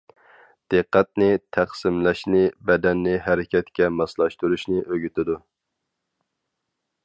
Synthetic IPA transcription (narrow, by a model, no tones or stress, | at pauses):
d̪̥ɨqːæt̪̚nɪt̪ʰæqsɪmlɛʃnɪbɛd̪ɛnːɪɦɛɾɪkʲʰɛt̪kʲɛmɑslˠɑʃt̪uɾuʃnɪʔøɡʲyt̪ɪd̪u